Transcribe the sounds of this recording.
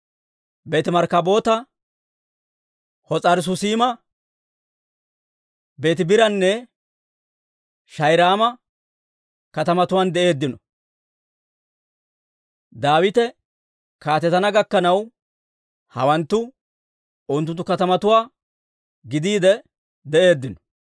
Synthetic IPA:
be̞ːt̪ɪmɐɾkɐbo̞ːt̪ɐ | hɔt͡sʼɐɾɪs̬ʊsiːmɐ | be̞ːt̪ɪbɪɾɐnːɛ | ʃɐjɾaːmɐ | kɐt̪ɐmɐt̪ʊwaːnd̪ɛʔe̞ːd̪ːɪnɔ | d̪aːwɪt̪ɛ | kaːt̪ɛt̪ɐnɐɡɐkːɐnɐw | hɐ̰wɐnt̪ːʊ | ʊnt̪ʊnt̪ːʊkɐt̪ɐmɐt̪ʊwaː | ɡɪd̪iːd̪ɛ | d̪ɛʔe̞ːd̪ːɪnɔ̥

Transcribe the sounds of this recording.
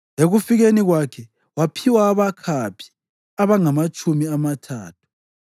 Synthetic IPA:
eɣufiɣeniɣwakʰɛ | wapʰiwaːβakʰapʰi̥ | aβaŋamat͡ʃʼʰumiamatʰaːtʰu̥

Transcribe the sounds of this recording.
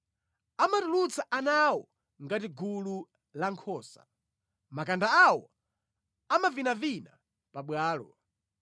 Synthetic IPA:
amatulut͡saʔanawɔ | ŋɡatiɡulu | laŋkʰɔːsa̰ | makandaawɔ | amavinavina | paɓwaːlɔ

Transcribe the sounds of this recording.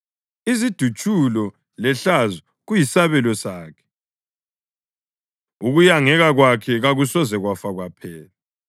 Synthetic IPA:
izid̥ʱut͡ʃʼulɔ | lɛɬazɔ | ɣujisaβɛlɔsaːkʰɛ̥ | uɣujaŋɛɣaɣwakʰɛɣaɣusɔzɛɣwafaɣwapʰɛːla

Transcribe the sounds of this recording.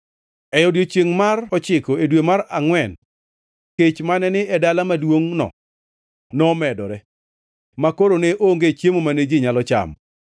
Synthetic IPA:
ɛjɔdjot͡ʃjeŋmarɔt͡ʃɪkoedwemaɾaŋwɛn | ket͡ʃmanɛnɪɛdalamadwoŋnɔ̰ | nɔmɛdɔ̰ɾɛ | makoɾoneʔoŋɡet͡ʃjemomaned͡ʒɪɲalɔt͡ʃa̰m

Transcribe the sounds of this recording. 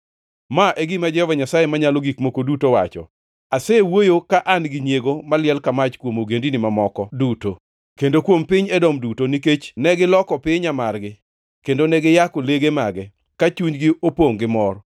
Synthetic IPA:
maʔeɡɪmad͡ʒɛvaɲasajemaɲaloɡikmokodutowa̰t͡ʃɔ̰ | asewojokaʔanɡɪnjeɡomalɪɛlkamat͡ʃkwomoɡendinɪmamɔkɔduto | kendokwompɪɲɛdɔmdutoniket͡ʃnɛɡɪlɔkɔpɪɲamarɡɪ | kendonɛɡɪjakoleɡemaɡɛ | kat͡ʃuɲɡɪopoŋɡɪmɔr

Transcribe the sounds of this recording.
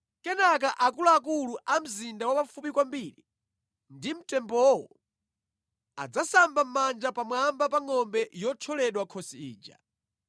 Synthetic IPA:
kɛnak̬aʔakulaak̬uluʔam̩zindawapafupikwambiɾi | ndim̩tɛmbɔwɔ | a̰d͡zasambam̩mand͡ʒapamwambapaŋɔmbɛjɔt͡ʃʰɔlɛɗwakʰɔsiḭːd͡ʒa̰

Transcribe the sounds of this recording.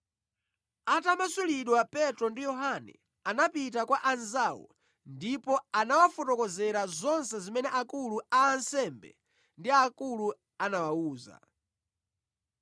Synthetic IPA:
atamasuliɗwapɛtɾɔndijɔɦanɛ̰ | anapitakwaʔanzaːwɔ̰ | ndipɔanawafɔtɔkɔzɛɾazɔnsɛzimɛnɛʔakuluaːnsɛmbɛ̰ | ndiakulu | anawauːza̰

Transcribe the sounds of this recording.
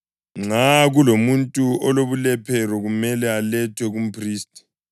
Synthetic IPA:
ŋ͡ǁaɣulomuntʼuɔloβulɛpʰɛrɔɣumɛlɛalɛtʰwɛɣum̩pʰriːstʼi̥

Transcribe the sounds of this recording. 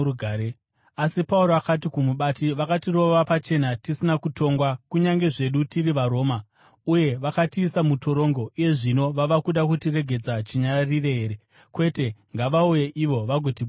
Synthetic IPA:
uɡʱaɾe | asipauɾoakat̬ikumuɓatiʋakatiro̞ʋapat͡ʃe̞natisinakuto̞ŋɡwakuɲaŋɡe̞ʐe̞ɗutiriʋaɾo̞ːma | uje̞ʋakatiːsamuto̞ɾo̞ŋɡo̞ʔuje̞ʐino̞ʋaʋakuɗakutire̞ɡʱe̞d͡zat͡ʃiɲarire̞ɦe̞ːɾe̞ | kwe̞te̞ŋɡaʋauje̞ʔiʋo̞ʋaɡʱo̞tiɓ

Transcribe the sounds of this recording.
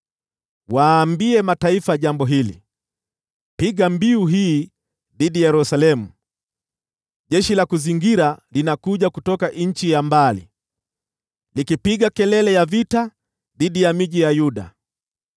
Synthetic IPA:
waːmbiɛmataifaʄambɔɦilḭ | piɡambiuɦiː | ðiɗijɛɾusalɛmu | ʄɛʃilakuziŋɡiɾalinakuʄakutɔkaʔɲ̩t͡ʃijambalḭ | likipiɡakɛlɛlɛjavita | ðiɗijamiʄijajuɗa̰

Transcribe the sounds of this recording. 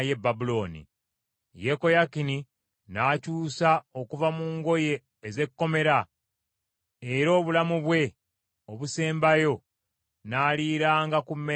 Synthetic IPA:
je̞bːabulo̞ːnḭ | je̞ko̞jakini | naːcuːsao̞kuvamuːŋɡo̞je̞ː | ze̞kːo̞me̞ɾa | e̞ɾo̞ːβulamuβwe̞ | oβuse̞ːmbajo̞ | naːliːɾaːŋɡakumːe

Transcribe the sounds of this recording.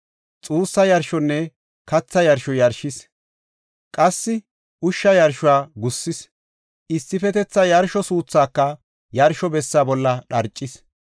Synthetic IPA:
t͡sʼuːsːɐjɐɾʃɔnːɛ | kɐt͡sːɐjɐɾʃɔjɐɾʃɪs | kʼɐsːɪ | ʊʃːɐjɐɾʃʊwaːɡʊsːɪs | ɪsːɪfɛt̪ɛt͡sːɐjɐɾʃɔsuːt͡sːaːkːɐ | jɐɾʃɔbɛsːaːbɔlːɐɗɐɾt͡ʃʼːɪs

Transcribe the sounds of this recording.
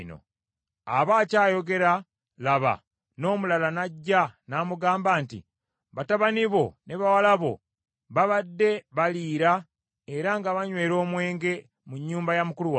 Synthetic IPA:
no̰ | a̰βaːcaːjo̞ɡe̞ɾa | laβa̰ | no̞ːmulalanaɟːanaːmuɡaːmbaːntḭ | βataβaniβo̞ne̞βawalaβo̞̰ | βaβadːe̞βaliːɾa | e̞ɾaŋɡaβaɲwe̞ːɾo̞ːmwe̞ːŋɡe̞ | muɲːuːmbajamukuluwa

